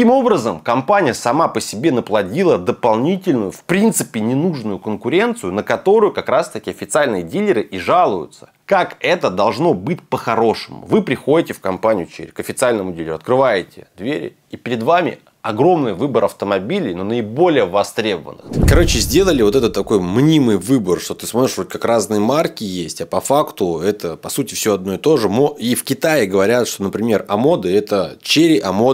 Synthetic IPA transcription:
imo̞bɾəzəmkɐmpanʲɪjəsɐmapəsʲɪbʲenəplˠɐdʲilˠəd̪əpɐlˠnʲitʲɪlʲnʊjʊfpɾʲint̪sɨpʲɪnʲɪnuʐnʊjʊkənkʊɾʲe̞nt̪sɨjʊnəkɐt̪o̞ɾʊjʊkɐkɾast̪ɐkʲɪɐfʲɪt̪sɨalʲnɨjədʲilʲɪɾɨʔiʐalˠʊjʊ̰t̪sə̥ | kakɛt̪əd̪ɐlˠʐno̞bɨtʲpəxɐɾo̞ʂɨmʊ̰vɨpɾʲɪxo̞dʲɪtʲɪfkɐmpanʲɪ̰jʊt͡ɕḛɾʲkɐfʲɪt̪sɨalʲnəmʊdʲilʲɪɾʲʊɐt̪kɾɨvajɪtʲɪ̰d̪vʲḛɾʲ | ipʲɪɾʲɪd̪vamʲɪ̰ | ɐɡro̞mnɨjvɨbəɾɐft̪əmɐbʲilʲɪjnonəɪbo̞lʲɪjəvɐst̪ɾʲebəvə̰nːɨ̰xkɐɾo̞t͡ɕɪzʲdʲe̞lˠəlʲɪvo̞t̪ɛt̪ət̪ːɐko̞jmnʲimɨjvɨbərʂt̪o̞t̪ɨsmoɾɪʂvot̪̚ʲkakraznɨjəmarkʲɪjesʲtʲɐpɐfakt̪ʊɛt̪əpɐsutʲɪfsʲoɐd̪no̞ɪt̪o̞ʐɨmoifkʲɪt̪aɪɡəvɐɾʲat̪ʂt̪o̞nəpɾʲɪmʲe̞rɐmo̞d̪ɨɛt̪ət͡ɕeɾʲɪʔɐmo

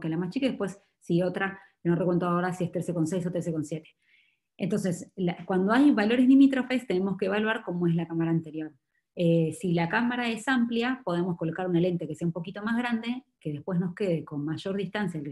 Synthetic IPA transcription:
kelamast͡ʃikaðepwe̞sː | io̞t̪ɾa | norekwe̞nt̪oaoɾasiest̪eseko̞nsejs̬ot̪eseko̞nsjet̪e̥ | ḛnt̪o̞nse̞slakwand̪oajβalo̞ɾeslimit̪ɾo̞fe̞st̪ene̞mo̞skeeːβalwaɾko̞moe̞zlakamaɾaːnt̪e̞ɾjo̞ɾ | esilakamaɾae̞sampljapo̞ð̞emosko̞lokaɾunale̞nt̪ekeseaumpo̞kit̪o̞mazɣɾand̪e̞ke̞ðe̞hpwe̞zno̞ske̞ð̞e̞ko̞nmaʃo̞ɾðist̪ansjae

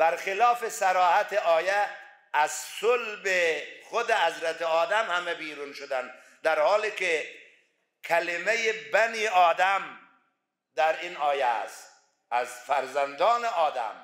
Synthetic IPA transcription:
b̥æɾxɪlɒːfesæɾɒːhæt̪eʔɒːjæː | zsolbexod̪ehæzɾæt̪eɒːd̪æmhæmɛbiːɾuːnʃod̪ænd̪ | d̪æɾhɒːlike | kʰælemejebæniːɒːd̪æm | d̪æɾinɒːjææ̰st̪ | æzfæɾzænd̪ɒːneɒːd̪æ̰m

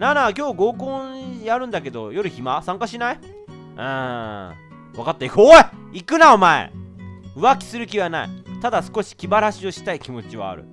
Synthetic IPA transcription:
nanakʲo̞ːɡo̞ːkõjaɾɯ̟̃nd̪ake̞d̪o̞̰jo̞ɾɯ̟çimasãŋkaɕinai | ɯ̃ | βakat̪ːaikoeikɯ̟naomaḛɯ̟βakʲi̥sɨɾɯ̟kʲiβanaḭt̪ad̪asɨ̥ko̞ɕi̥kʲibaɾaɕio̞ɕi̥t̪aikʲimo̞t͡ɕiβa̰ːɾɯ̟̰

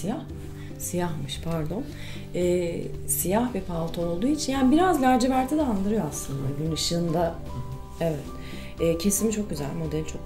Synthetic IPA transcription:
ijah | sijahmɯʃpʰaɾd̪o̞n | ɛːsijahvɛpʰalˠt̪ʰaolˠd̪uːit͡ʃʰinjaːnibiɾazlʲæɾd͡ʒevæɾt̪ʰɛd̪ɛand̪ɯɾɯjo̞aslˠɯnd̪aɟynɯʃɯːnd̪a | evɛt̪ | ɛːcʰe̞simt͡ʃʰo̞k̚ɟyzæ̰lʲmo̞d̪ɛlʲt͡ʃʰo̞k

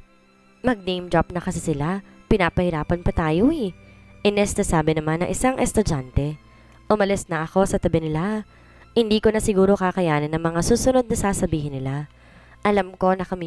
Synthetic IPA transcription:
mɐɡ̚nejmd̪ɾap̚nɐkɐsɪsɪlapɪnaːpɐhɪɾaːpɐnpɐt̪aːjoɪʔɪnɛst̪ɐsaːbɪnɐmanːɐ̰ŋʔɪsaŋʔɛst̪ʊd͡ʒant̪ɛ | ʔʊmɐlɪsnɐʔɐko̞sɐt̪ɐbɛnɪla | hɪnd̪iːko̞nɐsɪɡuːɾo̞kaːkɐjaːnɐnɐŋmɐŋasuːsʊno̞d̪̚nɐsaːsɐbiːhɪnːɪla | ʔɐlamko̞nɐkɐmi

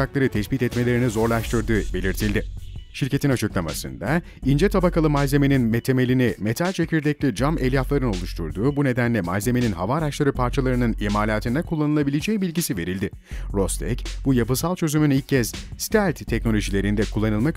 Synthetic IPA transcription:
aklˠaɾɯt̪ʰɛsbit̪ɛt̪me̞lʲe̞ɾinizo̞ɾlˠaʃt̪ʰɯɾd̪ɯːbe̞lʲiɾt̪ʰilʲd̪ɪʃiɾce̞t̪ʰinat͡ʃʰɯklˠama̰sɯ̰nd̪a | ind͡ʒɛt̪ʰabakalˠɯmalze̞me̞ninmet̪ʰe̞me̞lʲinime̞t̪ʰalʲt͡ʃʰe̞cʰiɾd̪ɛclʲid͡ʒamɛlʲjaflˠaɾɯno̞lˠuʃt̪ʰuɾd̪uːbune̞d̪ænlʲɛmalze̞me̞ninɦavaːɾaʃlˠaɾɯpʰaɾt͡ʃʰalˠaɾɯnɯnimaːlʲaːt̪ʰɯnd̪ɛkʰulˠːanɯlˠabilʲed͡ʒɛjbilʲɟisive̞ɾilʲd̪ɪ | ɾo̞st̪ʰɛ̰cbujapɯsalˠt͡ʃʰø̞zymynilʲc̚ʰːɛz̥st̪ʰælʲt̪tʰːɛc̚no̞lʲo̞ʒilʲe̞ɾind̪ɛkʰulˠːanɯlˠmak

